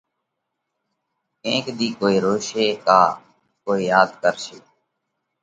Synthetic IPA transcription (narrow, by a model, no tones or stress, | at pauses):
kẽːkd̪iːkoːiːɾoːʃeːkaː | koːiːjaːd̪kəɾʃeː